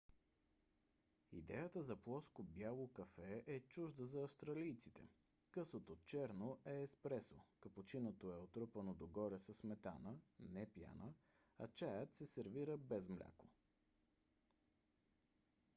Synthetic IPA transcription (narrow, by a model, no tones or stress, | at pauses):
ḭd̪ɛjət̪əzɐplˠɔskobjalˠokɐfɛɛt͡ʃuʒd̪əzɐːfst̪ɾɐlijt̪sit̪ɛ̰ | kɤsˠot̪ot͡ʃɛɾnoʔɛːspɾɛsokɐpot͡ʃinot̪oɛot̪ɾopənod̪oɡɔɾɛsəsmɛt̪a̰nənɛpja̰nə | ɐt͡ʃajət̪sɛsɛɾviɾəbɛzmlʲa̰ko̥